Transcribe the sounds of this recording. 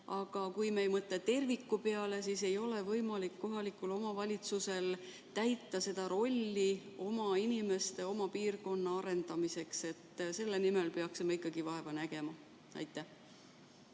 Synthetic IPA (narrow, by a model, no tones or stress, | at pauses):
ɑɡ̥ɑkujmejmɤt̪ːˑet̪e̞rvikːˑupe̞ɑle̞sise̞jo̞le̞vɤjmɑlikːo̞ɦɑlikːulo̞mɑvɑlʲit̪suse̞l | t̪æjt̪ːɑse̞d̪̥ɑɾo̞lʲːio̞mɑinime̞st̪e̞o̞mɑpiːrko̞nːɑɑɾe̞nd̪̥ɑmise̞kse̞t̪ːse̞lːenimelpe̞ɑksimɑikːˑɑɡ̥ivɑe̞vɑnæɡ̥e̞mɑ | ɑ̰jt̪ːˑæh